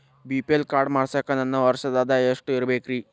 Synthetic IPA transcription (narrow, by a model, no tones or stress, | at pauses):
biːpelkaːɾɖmaːɽsaːkɐnɐnːɐʋɐɾʃɐd̪aːd̪aeːʂʈiɾbeːkɾiː